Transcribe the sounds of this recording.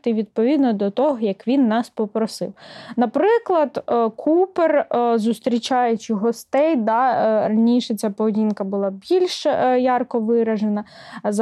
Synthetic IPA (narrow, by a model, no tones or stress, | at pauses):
t̪ɪʋʲid̪̚pɔʋʲid̪nɔd̪ɔt̪ɔɦɔjɐkʋʲinːɑspɔpɾɔsɪ̰wnɐpɾɪklˠɐd̪kʰuperzʊst̪ɾʲit͡ʃɑjʊt͡ʃɪɦɔst̪ɛjd̪ɑrɐnʲiʃɛt͡sʲapɔʋedʲinkɐbʊlˠɑbʲilʲʃjɑrkɔʋɪɾɐʒenɐ | z